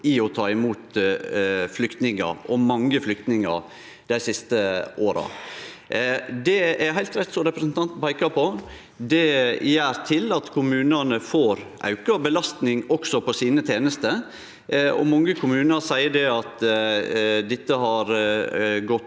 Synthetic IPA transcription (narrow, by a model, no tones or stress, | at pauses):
ɪɔt̪ʰɑːɪmuːt̪ | flʏkt̪nɪŋə̰ɾɔmɑŋːəflʏk̚t̪nɪŋɑ̰ɾ | d̪̥æɪsɪst̪əʔoːɾɑ̰ | d̪ɛæɾɦæɪlt̪ɾɛt̪ːsɔɾɛpɾəsn̩t̪ʰɑnt̪bɑɪkɑpʰɔ | d̪ɛjæːɾt̪ʰɪlɑt̪kʰʊmʉːnənəfoːɾʔɑ̰ʉkɑbəlɑst̪nɪŋɔksɔpɔsiːnət̪ʰeːnəst̪ə | ɔ̰mɑŋːəkʰʊmʉːnəɾsæɪəɖɛɑt̪ | d̪ɪt̪ːəɦɑɾ | ɡɔt̪